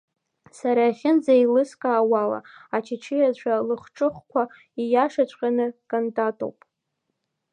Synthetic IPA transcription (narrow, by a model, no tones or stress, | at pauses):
saɾaaχʲɪnd͡zailɨskʼaːwala̰at͡ʃʰɪt͡ʃʰɪjat͡ɕʷʰalɨχʈ͡ʂʼɨχkʷʰa | ijaʂat͡ɕʷʼqʲʼanɨkʼantʼatʼo̰wpʼ